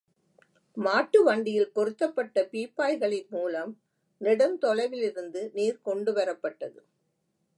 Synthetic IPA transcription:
maːʈːɯʋɐɳɖɪjɪlkɔɾɯt̪ːɐpːɐʈːɐpiːpːaːjɣɐɭɪnmuːlɐm | nɪɽɐnt̪ɔɻɐɪʋɪlɪɾɯnd̪ɯniːɾkɔɳɖɯʋɐɾɐpːɐʈːɐðɯ

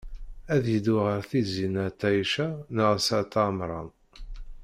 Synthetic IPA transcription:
æðjəd̪uʁəɾθizinæt̪ːæjʃænəʁsæt̪ɑmɾˤɑn

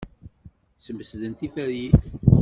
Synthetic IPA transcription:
səməsðənt̪ifæɾji

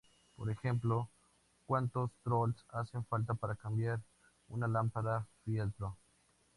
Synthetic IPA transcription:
poɾexemplo | kwant̪ost̪ɾolsaseɱfalt̪apaɾakambjaɾ | unalampaðafjelt̪ɾo

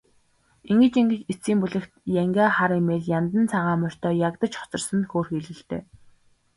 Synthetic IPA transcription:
iŋɡɘ̆t͡ɕiŋɡɘ̆t͡ɕet͡siːmpuɮɘ̆kt̪jæŋɡʲaːχaɾiːmeːɮjant̪ə̆nt͡sʰaʁaːmœr̥ʲt̪œːjakt̪ə̆t͡ɕχɔ̥t͡sɞ̆rsə̆nxoːrxiːɮɘ̆ɬt̪ḛː

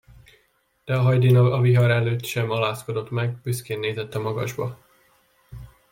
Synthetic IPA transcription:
d̪̥ɛɒɦɒjd̪inɒɒviɦɒɾɛløːt̪ːʃɛmɒlaːsko̞d̪o̞t̪mɛɡbyskeːnːeːzɛt̪ːɒmɒɡɒ̰ʒbɒ

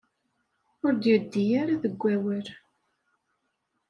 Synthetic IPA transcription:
ʊɾd̪jəd̪ːijaɾaðəɡʷːæwəɾ

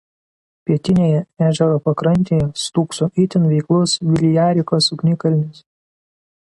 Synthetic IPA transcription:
pʲiɛt̪ʲɪnʲeːjɛæːʒʲɛɾoːpɐkɾɐnʲˑt̪ʲeːjɛst̪uːksoʔɪt̪ʲɪnʋʲɛɪklˠʊsʋʲɪlʲjæːɾʲɪkoːsʊknʲɪkɐlʲnʲɪs

